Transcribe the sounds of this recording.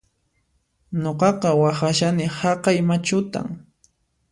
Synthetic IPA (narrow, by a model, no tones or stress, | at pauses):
ɲoqɑqɑwaxaʃanɪhɑqɑjmat͡ʃʊt̪a̰ŋ